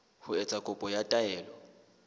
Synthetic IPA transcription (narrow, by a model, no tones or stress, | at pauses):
hʊɛt͡sʼakʼʊpʼɔjatʼaɛːlɔ